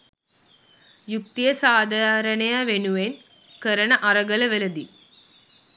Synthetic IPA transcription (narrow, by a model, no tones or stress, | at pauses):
juk̚t̪ijɐsaːd̪ʱaɾɐɳɐjaʋenuʋen | kɐɾɐɳɐʔɐɾɐɡɐlɐʋelɐd̪i